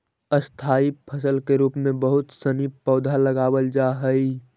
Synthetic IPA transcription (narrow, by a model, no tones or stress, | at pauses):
əst̪ʰaːipʰəsəlkeɾuːpmẽbəɦʊt̪sənipɔːd̪ʱaləɡaːwəld͡ʒaːɦəi